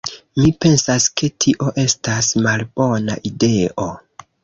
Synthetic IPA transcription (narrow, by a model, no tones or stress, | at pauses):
mipe̞nsaskʰe̞tʰiʔo̞ʔe̞stasmalbo̞na̰ʔide̞ʔo̞